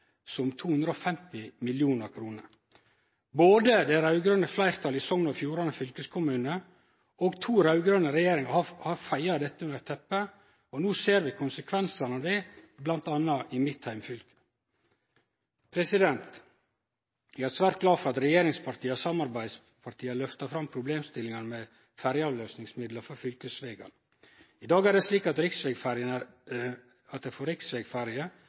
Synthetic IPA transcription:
sɔmt̪ʰuːhʉnd̪ɾəɔfɛmt̪ɪmɪljuːnəɾkʰɾuːnəɾ | boːd̪əd̪æɾɑʉɡɾœnəflæɪɾt̪ʰɑlɪsɔŋnɔfjuːɾɑnəfʏlkəskʰʊmʉːnə | oːɡt̪ʰuːɾɑʉɡɾœnəɾɛjeːɾɪŋɑhɑhɑɾfæɪɑd̪ɛt̪ːəʉnəɾt̪ʰɛpːə | ɔnuːseːɾʋɪkʰʊnsəkʰʋɛnsɑnɑd̪ɛːblɑnt̪ɑnːɑʔɪmɪt̪hæɪmfʏlkə̥ | pʰɾɛsɪd̪ɛnt̪ | æɡæɾsʋæːɾt̪̚ɡlɑːfɔɾɑt̪ɾɛjeːɾɪŋspʰɑɾt̪ʰiːɑsɑmɑɾbæɪd̪s | pʰɑɾʈ̪ʰiːɑlœft̪ɑfɾɑmpʰɾʊbleːmst̪ɪlːɪŋɑnəmɛ | fæɾjəɑːʋløːsnɪŋsmɪd̪ləɾfɔɾfʏlkəsʋeːɡɑ̰n | ɪd̪ɑːɡæɾdɛsliːkɑt̪ɾɪksʋɛɡfæɾɪənæ | ɑt̪̚d̪ɛɪfɔːɾɪksʋɛːɡfæɾɪə

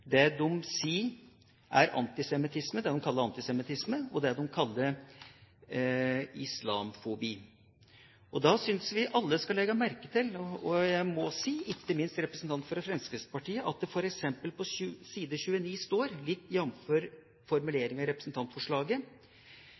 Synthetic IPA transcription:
d̪ɛd̪ɔmsiː | ʔæɾʔɑ̰nt̪ɪsɛmɪt̪ʰɪsməd̪ɛd̪ɔmkʰɑlːəɾɑnt̪ɪsɛmɪt̪ʰɪsməɔd̪ɛd̪ɔmkʰɑlːəɾ | ɪslɑːmfɔbiː | ʔɔd̪ɑsʏnsʋɪʔɑlːəskɑlɛɡːɑmæɾkət̪ʰɪlɔjæɪmɔsiːʔɪkːəmɪnst̪ɾɛpɾəsn̩t̪ʰɑnt̪fɔɾɛfɾɛnskəspɑʈiːəʔɑt̪̚d̪ɛfɔɾɛksɛmpəlpʰɔʉsiːd̪əçʉːəniːst̪oːɾlɪt̪ːjɛnːmføɾ | fɔɾmʉleːɾɪŋɑɾɛpɾəsn̩t̪ʰɑnt̪fɔʂɭɑːɡə

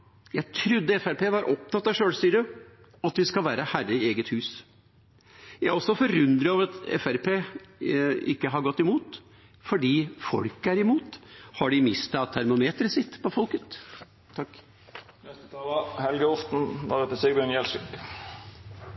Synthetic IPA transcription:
jæɪt̪ʰɾʉd̪ːəɛfæɾpeːʋɑɾʔɔp̚t̪ɑt̪ːɑʂøːlsiːd̪ə | ɑt̪ʋɪskɑʋæːɾəhærəɪeːɡət̪hʉːs | jæɪɔsːɔfɔɾʉnd̪ɾəoːʋəɾɑt̪ɛ̰fæɾpʰeː | ɪ̰kːəɦɑɾɡɔt̪ːɪmuːt̪ | fɔɖiːfɔ̰lkəæɾɪmuːt̪hɑɖɪmɪst̪ɑt̪ʰːæɾmʊmeːt̪ɾəsɪt̪ːpʰɔfɔlkət̪ʰː | ɑkː | nɛst̪ət̪ʰɑːlɑhɛlɡəɔft̪n̩ʋɑ̰d̪ɛt̪ːəseːɡɡ̪ənjɛlsɪk

